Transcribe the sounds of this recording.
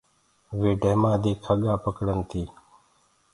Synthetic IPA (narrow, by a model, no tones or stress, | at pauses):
ʋeːɖʱeːmaːd̪iːkʰəɠaːpəkɽənt̪ʰiː